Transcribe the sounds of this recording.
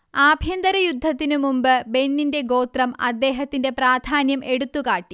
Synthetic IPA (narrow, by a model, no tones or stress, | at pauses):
aːbʱjɐnd̪ɐɾɐjud̪ʱːɐt̪ːinumumbɨbe̞nːinde̞ɡo̞ːt̪rɐmɐ̰d̪ːe̞ːɦɐt̪ːinde̞praːd̪ʱaːnjɐmʔe̞ɽut̪ːukaːʈːi